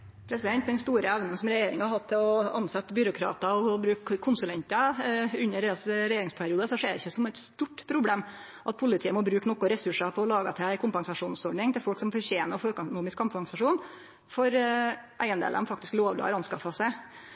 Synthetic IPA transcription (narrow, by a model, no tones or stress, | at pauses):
pʰɾɛsɪd̪ɛnt̪mɛd̪ɛnst̪uːɾəɛʋənənsɔmɾɛjeːɾɪŋɑhɑɾhɑt̪ʰːɪlɔɑ̰nsɛt̪ːbʏɾʊkʰɾɑ̰ːt̪ɑɔbɾʉːkkʰːʊnsʉlɛnt̪ɑʉɲːəɖesɾɛjeːɾɪŋspʰæɾɪuːd̪əsɔʂeːɾɪçːəsɔmɛt̪st̪uʈːpʰɾʊbleːm | ʔɑt̪̚pʰʊlɪt̪ʰiːəmɔbɾʉːknɔkːʊɾɛsʉʂɑpʰɔːlɑːɡɑ̰t̪ʰɛkʰʊmpɑŋsɑʂuːnsɔɖnɪŋt̪ʰɪlfɔlksɔmfɔɾçeːnɑfɔɾkɑnuːmɪskɑmpɑŋsɑʂuːn | fɔɾ | ʔæɪənd̪ḛːlʔə̰nfɑkt̪ɪskloːʋlɑ̰ɾɑnskɑfɑsæɪ